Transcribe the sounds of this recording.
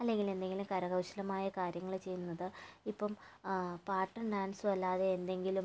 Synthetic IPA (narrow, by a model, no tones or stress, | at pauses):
ɐlːe̞ŋɡile̞nd̪e̞ŋɡilumkɐɾɐɣɐwɕɐlɐmaːjɐkaːɾjɐŋːɐɭet͡ɕe̞jːunːɐðɨipːɐm | paːʈːɐɳɖaːnsuʋɐlːaːðeːnd̪e̞ŋɡilum